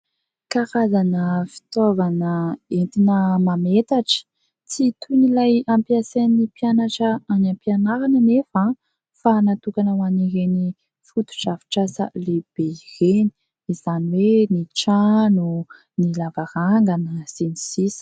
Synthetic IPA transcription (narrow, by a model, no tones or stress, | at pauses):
kaɾazanəfi̥t̪ovanəent̪inəmamet̪aʈ͡ʂə̥ | t͡sit̪unilajampiasenipjanaʈ͡ʂəanãmpjanaɾanənefã | fanat̪ukanəwaniɾeni | fut̪u̥ʈ͡ʂavi̥ʈ͡ʂasə̰leb̥eireni̥ | izaniweniʈ͡ʂanu | nilavaɾaŋɡanəsenisis